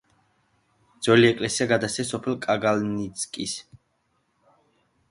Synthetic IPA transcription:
d̪z̥ɔliɛkʼlɛsiaɡad̪ast̪ʰɛs̬ɔpʰɛlˠkʼaɡalnit̪sʼkʼis

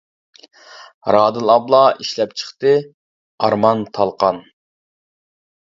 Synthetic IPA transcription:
ɾɑːd̪ɨlˠɑblˠɑʔiʃlɛp̚t͡ʃʰə̥χt̪ɨ | ɑɾmɑnt̪ʰɑlˠqɑn

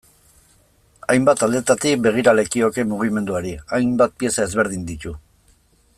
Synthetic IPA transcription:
ajmbat̪ald̪e̞t̪at̪ik̚be̞ɣ̞iɾale̞kio̞ke̞muɣ̞ime̞nd̪uaɾiajmbat̪̚pie̞sae̞zβe̞ɾð̞ind̪it̪u

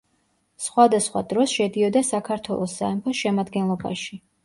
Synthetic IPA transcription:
sχwad̪asχwa̰d̪ɾɔsʃɛd̪iɔd̪asakʰaɾt̪ʰwɛ̰lˠɔsːaɛmpʰɔsʃɛmad̪ɡɛnlˠɔba̰ʃi

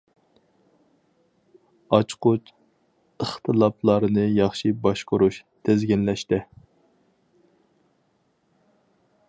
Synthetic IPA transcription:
ɑt͡ʃqʊt͡ʃ | əχt̪ʰɨlˠɑplˠɑɾɨnɨjɑχʃibɑʃqʊɾuʃt̪ʰezɡʲɛnlɛʃt̪ɪ

